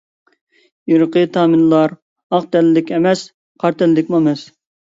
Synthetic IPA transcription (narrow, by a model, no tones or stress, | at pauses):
jyɾqət̪ʰɑːmɪnlˠɑɾ | ɑq̚t̪ɛlːɪkʲɛmɛs | qʰɑɾt̪ʰɛlːɪkʲmuɛmɛs